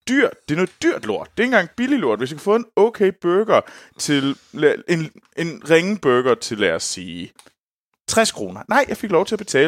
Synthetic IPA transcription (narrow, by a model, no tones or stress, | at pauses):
d̥yɐ̰d̥d̥e̝no̽ːð̩ˠd̥yɐ̰d̥lo̝ɐ̰d̥̚ːe̝enɡ̥ɑ̈ŋ̰b̥ililo̝ɐ̰d̥ʋesjakʰæfɔ̽ːe̝nɔʊkʰeɪb̥øɡ̥ɐt͡sʰe̝le̝ne̝nʁeŋəb̥øɡ̥ɐt͡sʰe̝lææsiː | t͡sʰʁɛskʰʁo̝ːnɐnɑ̈ɪ̰jɑ̈ɪfe̝ɡ̥lɒʊt͡sʰe̝æb̥e̝t͡sʰɛ̰ː